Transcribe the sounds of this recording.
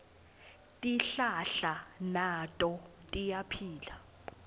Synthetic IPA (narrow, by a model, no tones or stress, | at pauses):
tʼiɬaɬanatʼɔ | tʼijapʰiːla